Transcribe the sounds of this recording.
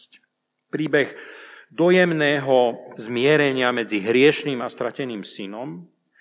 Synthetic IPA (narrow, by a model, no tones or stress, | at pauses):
c | pɾiːbɛɣd̪ɔjɛmnɛːɦɔzmɪɛɾɛɲɪamɛd͡ziɦɾɪɛʃniːmast̪ɾacɛniːmsinɔm